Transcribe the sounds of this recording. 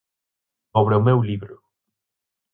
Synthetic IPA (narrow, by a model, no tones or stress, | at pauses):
oβɾeʊmewliβɾʊ